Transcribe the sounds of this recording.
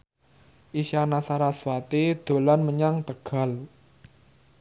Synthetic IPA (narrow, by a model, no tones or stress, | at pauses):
ʔiʃanasaɾaswat̪id̪̥o̤lanməɲaŋt̪əɡ̥a̤l